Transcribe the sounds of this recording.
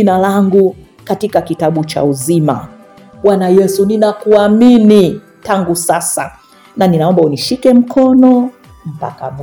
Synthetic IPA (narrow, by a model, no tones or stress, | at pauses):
inalaŋɡu | katikakitaɓut͡ʃa̰uzima̰ | ɓwanajɛsuninakuamini | taŋɡusasa̰ | naninaɔmbauniʃikɛm̩kʰɔnɔ | m̩pa̰ka̰m